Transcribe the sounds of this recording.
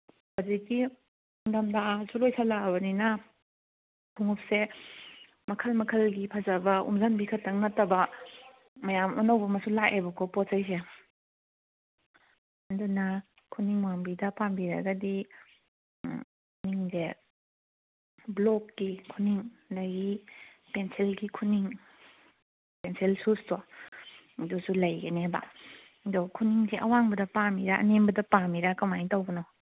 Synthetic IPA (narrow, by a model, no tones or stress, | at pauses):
baziki | undamdasulojsʰalabɐninɐ | bʰuŋup̚se | mɐkʰɐlmɐkʰɐlɡipʰazabɐṵmzanbikʰɐtːaŋnɐtːɐbɐ | mɐjamɔnawbɐmɐsulaʔebɐkʰɔpɔt̚sajs̬e | ɐnduna | kʰuniŋwambidɐpambiɾa̰ɡɐdi | niŋze | blɔkːikʰuniŋdaɡipenselɡikʰuniŋ | penselsustɔ | dusulɐjɡeneba̰ | dɔkʰuniŋzeʔɐwaŋbɐdɐpamiɾaɐ̰nembɐdɐpamiɾakɐmajtawbɐnɔ